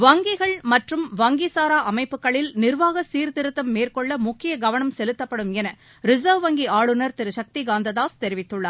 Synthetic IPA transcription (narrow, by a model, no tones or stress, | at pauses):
ʋɐŋɡɪɣɐɭmɐʈrɯmʋɐŋɡisaːɾaːʔɐmɐɪpːɯkːɐɭɪlnɪɾʋaːɣɐsiːɾt̪ɪɾɯt̪ːɐmːeːrkɔɭːɐmʊkːɪjɐɡɐʋɐnɐmsɛlɯt̪ːɐpːɐɽɯmɛnɐ | ɾɪzɐːʋʋɐŋɡiaːɭɯnɐɾt̪ɪɾɯʃɐk̚t̪iɡaːnd̪ɐðaːst̪ɛɾɪʋɪt̪ːɯɭːɐ̰ɾ